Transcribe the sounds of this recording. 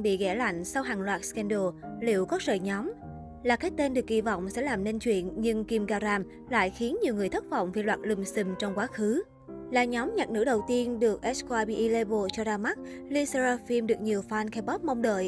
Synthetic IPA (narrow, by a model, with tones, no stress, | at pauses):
ɓḭ˧˨ɣɛ˧˩la̰˧˨jŋ̟sa˧wɦaː˨˩ŋlwaː˨˩t̚skɛ˧nɗo˧˩lḭ˧˨əwkɔ˨˦zə̰ː˧˨jɲɔ˨˦m | laː˨˩kaː˨˦˥j̚t̪e˧nɗɨ˨˩ək̚kḭ˧˨vɔ̰˧˨wŋ͡msɛ̰˧˥laː˨˩mne˧nt͡ɕwḭ˧˨ənɲɨ˧ŋki˧mɣaː˧ɾaː˧m | la̰ː˧˨jxi˨˦ənɲi˨˩əwŋɨ˨˩əjt̪ʰə˦˥t̚v̰wŋ͡mvi˨˩lwaː˨˩t̚lɨ˨˩msɨ˧˩mt͡ɕɔ˧wŋ͡mkwaː˨˦xɨ˨˦ | la̰ː˧˨˩ɲɔ˨˦mɲaː˨˩t̚nɨ̰˧˥ɗə˨˩wt̪i˧ənɗɨ˨˩ək̚ʔɛ˦˥skwaː˧ɓḭ˧˨ʔi˧le˧ɓo˧t͡ɕɔ˧zaː˧ma˦˥t̚li˧se˧zaː˧fi˧mɗɨ˨˩ək̚ɲi˨˩əwfaː˧nkɛ˧ɓɔ˦˥p̚ma˧wŋ͡mɗə̰ː˧˨j